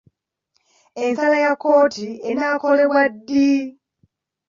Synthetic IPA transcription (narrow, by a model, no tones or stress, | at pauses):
ensalajakːo̞ːtʰienaːko̞leβwadːi